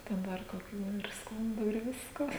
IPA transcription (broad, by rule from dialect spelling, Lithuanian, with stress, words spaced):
tʲɛn ˈdɐr koːˈkʲuː ɪr ˈskʊnduː ɪr ˈʋʲɪskoː